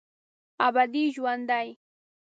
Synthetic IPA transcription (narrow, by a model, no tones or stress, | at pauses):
abad̪iʃwand̪aj